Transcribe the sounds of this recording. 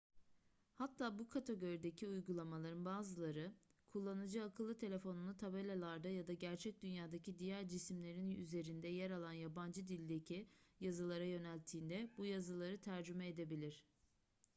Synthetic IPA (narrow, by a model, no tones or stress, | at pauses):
hat̪ʰːaːbukʰat̪ʰeɡo̞ɾid̪e̞cʰiujɡulˠamalˠaɾɯnbaːzɯlˠaɾɯkʰulˠːanɯd͡ʒɯakʰɯlˠːɯt̪ʰe̞lʲe̞fo̞nulˠɯt̪ʰabelʲelˠaɾd̪ajad̪aɟæɾt͡ʃʰɛc̚d̪ynjaːd̪acʰid̪ijæɾd͡ʒisimlʲe̞ɾinyze̞ɾind̪ɛjɛɾalˠanjaband͡ʒɯd̪ilʲd̪e̞cʰijazɯlˠaɾajø̞nælʲt̪ʰːiːnd̪ɛbujazɯlˠaɾɯt̪ʰæɾd͡ʒymɛed̪e̞bilʲiɾ̥